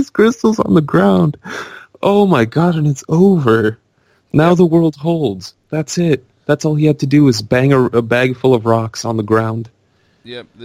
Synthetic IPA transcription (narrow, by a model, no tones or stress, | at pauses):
z̥kʰɹ̥ɪstˡl̩ˠzn̩ðəɡɹãʊ̃nd̥ʔoʊmaɪɡɑɾɨ̃nɨtsoʊvə˞ | naʊðəwɜ˞lˠd̚ɦoʊlˠdz̥ | ðætsɪt̚ | ðætsɔlˠihɨd̚tʰɨdɨɨzbæ̃ŋɨəbæɡfʊlˠʌvɹɑksn̩ðəɡɹãʊ̃nd̥